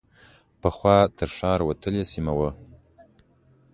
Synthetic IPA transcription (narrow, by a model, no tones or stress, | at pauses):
pəχwʷɑːt̪ʰɨɾʂɑːɾwatʰəlesimawə